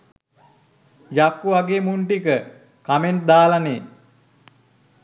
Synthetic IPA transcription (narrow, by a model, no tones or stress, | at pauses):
jakːuʋaɡeːmuɳʈikə | kamend̪aːlaneː